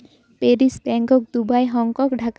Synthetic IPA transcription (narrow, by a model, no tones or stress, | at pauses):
peɾisbɛŋɡɔk̚d̪ubajɦɔŋkɔkɖʱak